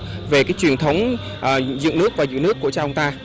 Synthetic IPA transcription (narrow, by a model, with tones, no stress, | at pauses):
ve˨˩kaː˨˦jt͡ɕwi˨˩ənt̪ʰə˨˦wŋ͡m | ʔːzɨ̰˧˨ŋnɨ˦˥ək̚vaː˨˩zɨ̰˧˨nɨ˦˥əkːu˧˩ət͡ɕaː˧ʔə˧ŋ͡mt̪aː˧